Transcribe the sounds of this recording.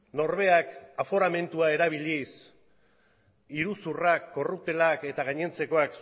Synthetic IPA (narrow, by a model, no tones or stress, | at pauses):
no̞ɾβ̞e̞akafo̞ɾame̞nt̪uae̞ɾaβ̞ilis | iɾusurakːo̞rup̚t̪e̞lake̞t̪aɣ̞aɲe̞nt͡se̞ko̞aks